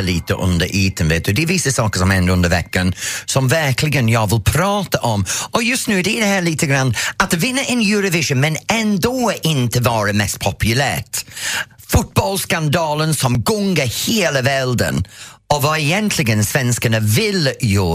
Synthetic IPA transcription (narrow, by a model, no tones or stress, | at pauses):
əliːtʰə̰ʔʊ̰nd̪ə̰ɾʔiːtʰənvɪd̪̥ədivɪsəsɑːkəsɔmhɛndəʊndəvɛkːənsɔmvɛɹkʰlɪɡənjɔːvɪlˠpʰɾɑːtəʔɔmɔjʊstnʉːdɛdɛhɛːliːtʰəɡɾandat̚əvɪnəʔɪnjuːɾəvɪʒənmɛnɛndɔːʔɪntʰəvɑːɾəmɛst̚pʰɔpʰjʊlɛt | fʊt̚b̥ɔlˠskandɑːlənsɔmɡʊŋɡəheːləvɛlˠdə̰nɔvɔɛjɛntʰlɪɡənsv̥ɛnskənəvɪljɔː